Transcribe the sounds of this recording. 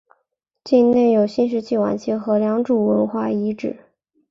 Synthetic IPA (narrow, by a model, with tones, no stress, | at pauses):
t͡ɕi˥˧nne˥˩njo˨˩ʊɕi˥nʂ̬ɻ̩˧˥t͡ɕʰi˥˩wa̰˨˩nt͡ɕʰi˥˩xɤ˧˥ljɑ˧˥ŋʈ͡ʂu˨˩wə˧˥nxwa˥˩i˧˥ʈ͡ʂɻ̩˨˩˦